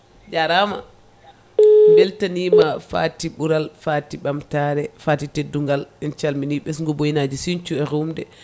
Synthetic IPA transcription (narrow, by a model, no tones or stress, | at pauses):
d͡ʒaɾama̰ | mbɛltanimafa̰tiɓuɾalfatiɓamtaɾɛfaːtiteduŋɡalɛnt͡ʃalminiɓɛsŋɡɔbojinad͡ʒisiɲt͡ʃuɛɾumdɛ